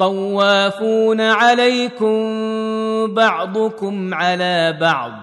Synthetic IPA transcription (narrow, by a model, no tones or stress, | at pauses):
t̪ˤɑwːaːfuːnaʕalajkʊm | bɑʕd̪ˤʊkʊmʕalaːbɑʕd̪ˤ